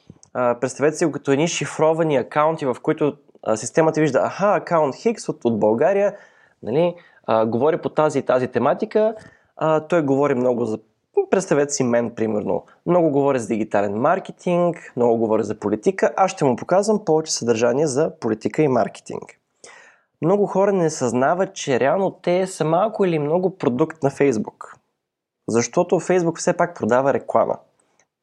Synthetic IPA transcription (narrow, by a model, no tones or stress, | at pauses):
əpɾɛt̪st̪ɐvɛt̪ɛsiɡokət̪oɛd̪niʃifɾɔvɐniɐkaʊnt̪ivɐfkoit̪ʊ | sist̪ɛmət̪əviʒd̪əʔaxaɐkaʊnt̪xiksot̪od̪̚bɐlˠɡaɾijə | nɐ̰li | ɡovɔɾipot̪azit̪azit̪ɛmat̪ikə | t̪ɔjɡovɔɾimnɔɡʊzɐ | pɾɛt̪st̪ɐvɛt̪ɛsimɛnpɾimɛɾno̰ | mnɔɡʊɡovɔɾizɐd̪iɡ̟it̪alɛnmaɾk̟ɛt̪ʰiŋkmnɔɡʊɡovɔɾizɐpolit̪ikəʔasʃt̪ɛmʊpokazvəmpɔvɛt͡ʃɛ̥sɐd̪ɐɾʒaniɛzɐpolit̪ikəima̰ɾkɛ̥t̪ḭŋk | mnɔɡʊxɔɾənɛsɐznavət̪̚t͡ʃɛɾɛalˠnot̪ɛsəmalˠkʊilimnɔɡʊpɾod̪ukt̪nɐfɛjzbuk | zɐʃt̪ɔt̪ofɛjzbukfsɛpak̚pɾod̪avəɾɛklˠa̰mʔə̰